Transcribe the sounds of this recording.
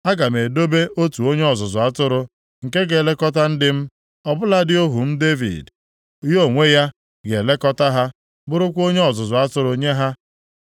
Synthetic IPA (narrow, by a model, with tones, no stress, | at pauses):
a˦ɡa˨me˨do˦be˦ʔo˦tu˨o˦ɲe˦ɔ˨zʊ˨zʊ˨a˦tʊ˦ɾʊ˦ | ŋ̩˨ke˦ɡe˨le˦kɔ˦t̬a˦n̩˦dɪ˦m̩˦ | ɔ˦bʊ˦la˦dɪ˦o˦ɦu˨m̩˦de˦vḭ˨d | jo˦˨ŋʷe˦ja˦ | ɡe˨le˦kɔ˦ta˦ɦa˦ | bʊ˦ɾʊ˦kʷo˦ɲe˦ɔ˨zʊ˨zʊ˨a˦tʊ˦ɾʊ˨ɲe˦ɦa˦